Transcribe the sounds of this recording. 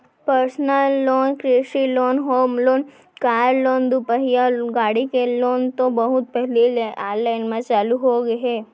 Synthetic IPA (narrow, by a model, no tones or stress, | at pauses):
pəɾsnəlːoːnkɾɪʃiloːnɦoːmloːn | kaːɾloːnd̪upəɦijaɡaːɽikeloːnt̪obɐɦʊt̪̚pɛɦliaːɾlaɪnmãt͡ʃaːluɦoɡɦɛː